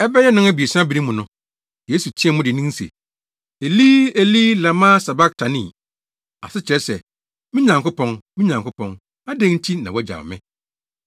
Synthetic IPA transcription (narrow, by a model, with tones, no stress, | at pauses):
ɛ˦bɛ˦jɛ˦nʊ̃˦ŋæ˦bi˨e˨sbi˦ɾi˦mʊ̃˨nʊ̃˦ | je˦su˨tʰi˦ɛ˨mʊ̃˦dɪ˨nĩ˦n˦sḛ˨ | e˨liː˦e˨li˦la˨mã˦sa˨ba˦k̚tʰa˨nḭ̃˦˨ | a̰˨sɪ˦t͡ɕʰɪ˨ɾɛ˦sɛ˨ | mɪ̃˦ɲã˨ŋkʊ˦pʰɔ̃˨ŋmɪ̃˦ɲã˨ŋkʊ˦pʰɔ̃˨ŋ | a˦dẽ˦ŋ̩˦tʰi˦nã˨wɔ˦d͡ʑa̰˨mɪ̰̃˦